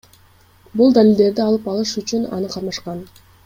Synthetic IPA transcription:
bulˠd̪alʲɪlʲd̪e̞ɾd̪iɑlˠɯpɑlˠɯʃyt͡ʃynɑ̰nɯqʰɑɾmɑʃqɑn

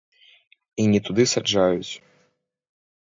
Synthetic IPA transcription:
inʲɛt̪ud̪ɨsad͡ʐajut͡sʲ

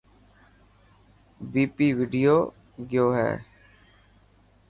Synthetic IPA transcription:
biːpiːʋɪɖɪjoː | ɡjoːɦɛ̰ː

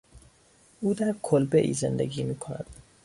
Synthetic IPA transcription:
ʔuːd̪æɾkʰolbe̞ʔḭːze̞̰nd̪ḛɡiːmiːkʰonæ̰d̪̥

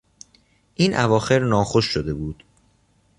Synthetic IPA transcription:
ʔiːnʔævɒːxe̞ɾnɒːxo̞ʃːod̪e̞buːd̪̥

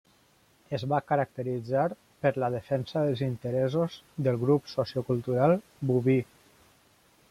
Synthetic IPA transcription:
əzβakəɾək̚t̪əɾid͡zaɾ | pəɾləðəfɛnsəðəlˠzint̪əɾɛzozðəlˠɣɾupsosiukulˠt̪uɾalˠ | buβi

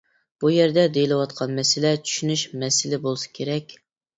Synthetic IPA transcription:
b̥ujɛɾd̪ɛd̪ejilɪwɑt̪qʰɑnmɛsɪlɛt͡ʃʰy̥ʃynyʃmɛsɪlɪbolˠɨsɑ̥kʲʰeɾɛkʲ

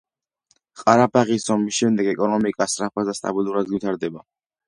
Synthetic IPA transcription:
qʼaɾapaʁisɔmisʃɛmd̪ɛɡɛkʼɔnɔmikʼasɾapʰazast̪ʼa̰bilˠuɾad̪wit̪ʰaɾd̪ɛba

